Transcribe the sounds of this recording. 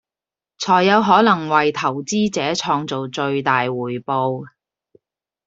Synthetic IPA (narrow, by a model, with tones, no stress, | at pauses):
t͡sʰɔː˨˩jːɐ˨˧wɦɔː˨˥lɐ˨˩ŋwɐ˨jt̪ʰɐ˨˩wt͡siː˥t͡sɛː˨˥t͡sʰɔː˧ŋt͡so˨wt͡ʃɵ˧ɥt̪aː˨jwuː˨˩jpo˧w